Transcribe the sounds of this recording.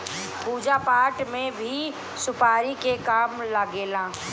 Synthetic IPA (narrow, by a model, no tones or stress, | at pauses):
puːd͡ʒapaːʈmẽbʱi | sʊpaːɾikekaːmlaɡeːlãː